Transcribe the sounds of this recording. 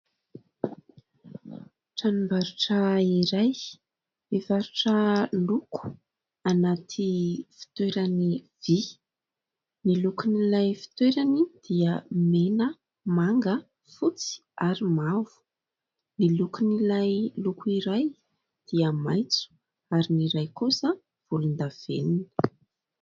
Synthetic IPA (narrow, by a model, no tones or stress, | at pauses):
ʈ͡ʂanimbaɾuʈ͡ʂəiɾaj | efaɾuʈ͡ʂəluku̥ | anat̪ʰifi̥t̪weɾanivi | nilukinilajfi̥t̪weɾanid̪̥iəmenə | maŋɡə | fut͡si̥ | aɾimavu̥ | nilukunilajlukuiɾaj | d̪̥iəmajt͡su̥ | aɾiniɾajkusa | v̥ulund̪av̥enini̥